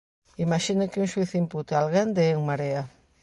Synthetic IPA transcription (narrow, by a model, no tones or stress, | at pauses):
imaʃinʊkɪuŋʃuiθimput̪ealɣɾand̪eɛuŋmaɾea